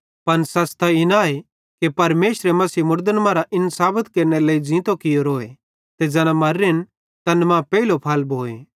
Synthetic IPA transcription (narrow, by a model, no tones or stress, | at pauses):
pɐnsaːst̪aɪnaːe | kepɐɾmeːsɾemɐsiːmʊɾd̪ənmãɾaʔɪnsaːbət̪keːɾneleːid͡ʒĩːt̪okɪjoɾoːe | t̪ed͡zɛːnãmɐɾːɪn | t̪ɐnmãpɛilopʰaːlbʱoːḛ